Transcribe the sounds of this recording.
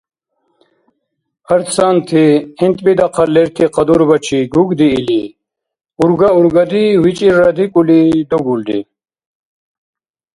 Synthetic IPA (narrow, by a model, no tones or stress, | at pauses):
ɐɾt̪saːnt̪ʰiint̪bid̪ɐqʰɐlːeɾt̪ʰiqɐd̪uɾbɐt͡ɕʰiɡuɡd̪iːli | uɾɡauɾɡɐd̪iwit͡ɕʼiɾad̪ikulid̪uɡuld̪ḭ